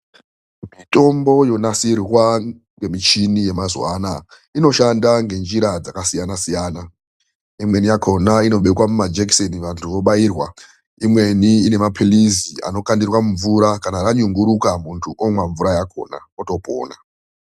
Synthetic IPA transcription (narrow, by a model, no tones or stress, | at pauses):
mito̞mbo̞jo̞nasirwa | ŋɡe̞mit͡ʃinije̞mazwa̰na | ino̞ʃandaŋɡe̞nd͡ʒiɾad͡zakasijanasijaːna | imwe̞nijakʰo̞naino̞ɓekwamumad͡ʒeksoniʋantʰuʋo̞ɓairwa | imwe̞niine̞mapʰilizia̰no̞kandirwamuɱvuɾakanaraɲuŋɡuɾukamuntʰuʔomwaɱvuɾajako̞̰na̰ | oto̞po̰ːna